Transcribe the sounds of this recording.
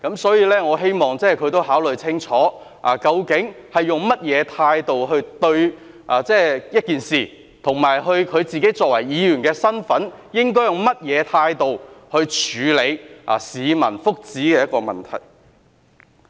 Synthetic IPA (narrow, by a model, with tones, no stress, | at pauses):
kɐ˨˥msɔː˨˥jiː˨˧lɛː˥ŋɔː˨˧ɦe˥jmɔː˨ŋt͡sɛː˥˩kʰɵ˨˧ɥt̪o˥wɦaː˨˥wlɵ˨ɥt͡sʰɪ˥ŋt͡ʃʰɔː˨˥ | ʔaː˨kɐ˧wkɪ˨˥ŋhɐ˨jjʊ˨ŋmɐ˥t̚jɛː˨˧t̪ʰaː˧jt̪o˨wɦɵ˧ɥt̪ɵ˧ɥ | ʔaː˨t͡sɛː˥˩jɐ˥t̚kiː˨nsiː˨ | t̪ʰʊ˨˩ŋmaː˨jɦɵ˧ɥkʰɵ˨˧ɥt͡siː˨ke˨˥jt͡sɔː˨k̚wɐ˨˩jjiː˨˧ɥyː˨˩nkɛː˧sɐ˥nfɐ˨˥njɪ˥ŋkɔː˥jʊ˨ŋmɐ˥t̚jɛː˨˧t̪ʰaː˧jt̪o˨whɵ˧ɥt͡ʃʰyː˨˧le˨˧jʔa̰ː˨˩siː˨˧mɐ̰˨˩nfʊ˥k̚t͡siː˨˥kɛː˧jɐ˥t̚kːɔː˧mɐ̰˨nt̪ʰɐ̰˨˩j